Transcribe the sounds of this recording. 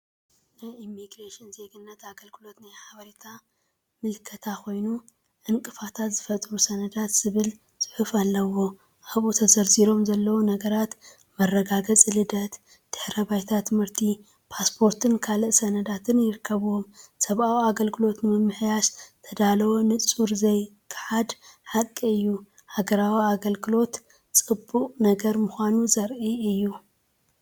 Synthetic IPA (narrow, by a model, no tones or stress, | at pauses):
najimːiɡɾeʃɪnze̞ɡɨnːɐt̪aɡɐlɡɨlo̞t̪najħaβɐɾit̪ʰa | mɨlkʰɐt̪ʰako̞jnu | ʕɨŋkʼɨfat̪ʰat̪z̥ɨfɐt̪ʼɾusɐnɐd̪at̪z̥ɨβɨl | sʼɨħufalːɐwo̞ | ʔaβʔut̪ʰɐzɐɾziɾo̞mzɐlːɐwunɐɡɐɾat̪ | mɐrːɐɡaɡɐt͡sʼlɨd̪ɐt̪ | d̪̥ɨħɾɐbajt̪ʰat̪ʰɨmhɨɾt̪ʰi | pʰaspʰo̞ɾt̪ʰɨnkʰalɨʔsɐnɐd̪at̪ʰɨnjɪɾɨkʰːɐβuwo̞msɐβawiaɡɐlɡɨlo̞t̪nɨmɨmːɨħjaʃt̪ʰɐd̪alɐwonɨt͡sʼuɾzɐjkʰɨ̥ħad̪ħakʼiɨjːu | haɡɐɾawiaɡɐlɡɨlo̞t̪ | t͡sʼɨbuqʼnɐɡɐɾmɨxʷanuzɐɾʔiɨjːu